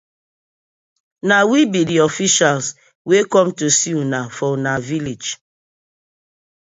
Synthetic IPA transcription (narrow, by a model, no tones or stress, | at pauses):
nawibidiɔfiʃals | wekɔ̃mtusiunafɔnavilid͡ʒ